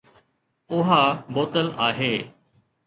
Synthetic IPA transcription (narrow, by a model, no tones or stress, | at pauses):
ʊɦaːboːt̪əlaːɦeː